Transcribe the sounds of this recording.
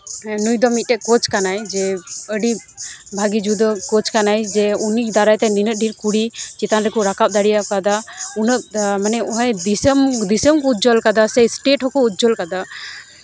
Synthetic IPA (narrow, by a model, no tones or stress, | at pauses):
nujd̪ɔmit̪̚ʈɛkɔt͡ʃkanajd͡ʒɛəɖibʱaɡid͡ʒud̪ɔkɔt͡ʃkanajd͡ʒɛunikd̪aɾajt̪ɛninət̪̚ɖʱiɾkuɽit͡ʃit̪anɾɛkuɾakap̚d̪aɽijakad̪aunək̚manɛɔɦɔjd̪isəmd̪isəmkɔut̪̚d͡ʒɔlkad̪asɛjsʈeʈɦɔkɔut̪̚d͡ʒɔlkad̪a